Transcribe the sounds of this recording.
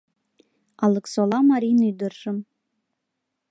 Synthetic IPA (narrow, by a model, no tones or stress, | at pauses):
ɑlˠɤ̆ksolˠɑmɑɾʲijnujd̪ɤrʒ̥ɤ̆m